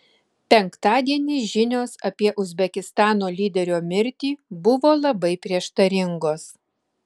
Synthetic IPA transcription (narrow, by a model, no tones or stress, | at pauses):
pʲɛŋˑkt̪ɑːd̪ʲiɛnʲiːʒʲɪnʲoːsɐpʲiɛʔʊzʲbʲɛkʲɪst̪ɑːnoːlʲiːd̪ʲɛɾʲoːmʲɪɾʲt̪ʲiːbʊʋoːlˠɐbɐɪpʲɾʲiɛʃt̪ɐɾʲɪŋɡoːs